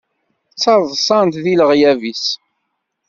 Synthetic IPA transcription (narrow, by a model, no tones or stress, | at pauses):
t͡sːɑɾˤðˤsˤɑnt̪ðiləʁjævis